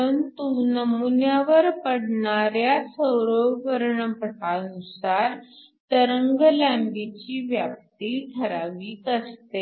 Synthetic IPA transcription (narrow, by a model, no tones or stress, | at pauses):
pəənt̪unəmunjaʋəɾpəɽɳaɾjasəwɾoʋəɾɳəpəʈʰanusaɾ | t̪əɾəŋɡlæ̃mbit͡ɕiːʋjap̚t̪ikʰəɾaʋiːkəst̪e